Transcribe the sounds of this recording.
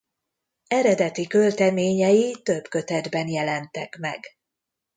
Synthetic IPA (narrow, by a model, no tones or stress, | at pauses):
ɛɾɛd̪ɛt̪ikølt̪ɛmeːɲɛjit̪ø̞bkø̞t̪ɛd̪bɛnjɛlɛnt̪ɛkmɛ̰ɡ